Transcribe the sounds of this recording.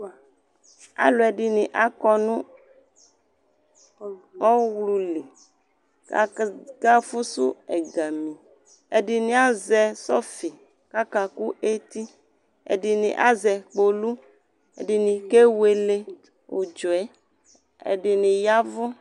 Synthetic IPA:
a̰˨˦lo˨ɛ˨ɖi˨nĩ˨ʔa˦kɔ˦nũ˦ | ɔ˦wlu˨li˨ | ka˦fu˦su˦ɛ̰˨ɡa˨mĩ˨ | ḛ˨ɖi˨nĩ˨a˦zɛ˨sɔ˦fi˨ | ka˦ka˨ku˦ʔe˦t̪i˦ | ḛ˨ɖi˨nḭ̃˨ʔa̰˦zɛ˨k͡po˨lu˦ | ḛ˨ɖi˨nĩ˨ke˦we˦le˦ | wo̰˨d͡ʒo˨ɛ˦ | ḛ˨ɖi˨nĩ˨ja˦vɔ˦

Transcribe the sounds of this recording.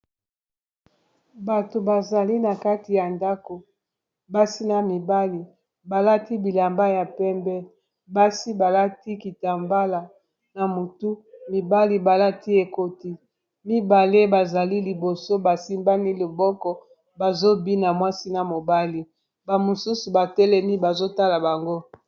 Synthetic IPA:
ba˨to˨ba˨za˨li˦na˨ka˦ti˨ja˨nda˦ko˨ | ba˦si˦na˨mi˨ba˦li˨ | ba˨la˦ti˦bi˨la˨mba˦ja˨pɛ˦mbɛ˦ | ba˦si˦ba˨la˦ti˦ki˨ta˨mba˦la˨ | na˨mo˨tu˦mi˨ba˦li˨ba˨la˦ti˦e˨ko˦ti˦ | mi˦ba˨le˦ba˨za˨li˦li˨bo˨so˦ba˨si˦mba˦ni˦lo˨bɔ˦kɔ˦ | ba˨zo˦bi˦na˨mwa˦si˦na˨mo˨ba˦li˦ | ba˨mo˨su˦su˨ba˨tɛ˦lɛ˦mi˦ba˨zo˦ta˦la˨ba˨ŋɡo˦

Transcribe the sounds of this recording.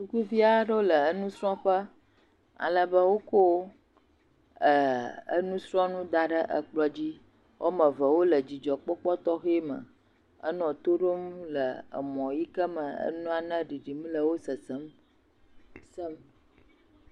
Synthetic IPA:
su˦ku˦vi˦a˦ɖə˦lə˨ə˦nũ˦sɾɔ̃˦ɸə˦ | a̰˨lə˨bə˦wo˦ko˦ | ə˨ə̰˦nũ˦sɾɔ̃˦nũ˦d̪a˨ɖə˦ʔə̰˨k͡plɔ˨d͡ʑi˦ | wʔo̰˦mə̃˨və˨wo˦lə˨d͡ʑi˨d͡ʒɔ˨k͡pɔ˦k͡pɔ˦t̪ɔ˦xe˦mə̰̃˨ | ə̰˦nɔ̃˨t̪o˦ɖo˦m˦lə˨ə̰˨mɔ̃˨ji˦kə˦mə˨ə̰˦nũ˦a˨nə̃˦ɖi˨ɖi˨m̃˦lə˨wo˦sə˨sə˦m˨ | sə˦m

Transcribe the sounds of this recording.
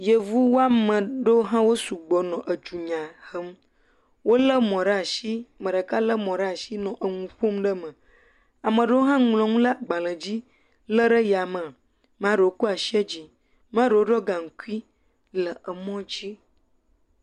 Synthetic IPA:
jə˨vu˦wo˦a˦mə̃˨ɖə˦ɦã˦wo˦su˨ɡ͡bɔ˨nɔ̃˨ʔə˨d͡ʒu˨ɲã˨hə˦m˦ | wo˦lə˦mɔ̃˨ɖa˨ʃi˦mə̃˨ɖə˨ka˦lə˦mɔ̃˨ɖa˨ʃi˦nɔ̃˨ʔə˨ŋũ˨ɸo˦mɖə˦mə̃˨ | a˨mə̃˨ɖə˦wo˦ɦã˦ŋlɔ̃˨ŋũ˦la˦ɡ͡ba˨lə̃˨d͡ʑi˦ | lə˦ɖə˦ja˨mə˨ | m˦ã˦ɖə˨wo˦ku˦a˨ʃi˦e˦d͡ʑi˦ | m˦ã˦ɖə˨wo˦ɖɔ˦ɡã˨ŋ̩˨ku˦i˦ | lə˨ə˨mɔ̃˦d͡ʒi˦

